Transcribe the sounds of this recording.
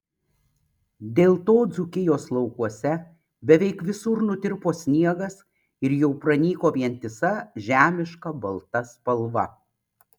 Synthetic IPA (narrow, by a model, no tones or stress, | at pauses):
d̪ʲeːlˠt̪oːd̪zʊkʲɪjoːslˠɐʊkuɔsʲɛ | bʲɛʋʲɛɪkʋʲɪsʊɾnʊt̪ʲɪɾpoːsʲnʲiɛɡɐs | ɪɾjɛʊpɾɐnʲiːkoːʋʲiɛnʲt̪ʲɪsɐʒʲæːmʲɪʃkɐbɐlˠt̪ɐspɐlˠʋɐ̰